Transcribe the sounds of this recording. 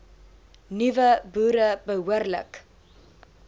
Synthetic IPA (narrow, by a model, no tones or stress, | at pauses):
nyvəbuːɾəbəɦuərlə̰k